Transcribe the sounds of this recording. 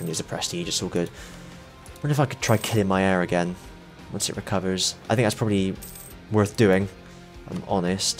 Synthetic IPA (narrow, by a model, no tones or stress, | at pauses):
ə̃nʉzəpʰɹ̥ɛstid͡ʒɪtsoɡʊd̥ | wʌ̃nɪfaɪkʰəd̥̚tʰɹ̥aɪkʰɪlˠɪ̃ŋmaɪɛɹɨɡɛ̃n | wʌ̃nsɨ̰ʔɹɪkʰʌvə˞z̥aɪθɪ̃ŋkðatspʰɹ̥ɒbəblˠi | wɜ˞θd̥ʉːɪ̃ŋ | ʔã̰ɪ̃mɔ̰nɪst